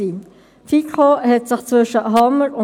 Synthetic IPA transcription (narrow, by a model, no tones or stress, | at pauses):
iː | fikχohɛtsɪχt͡svʏʃəɦɑməɾʊ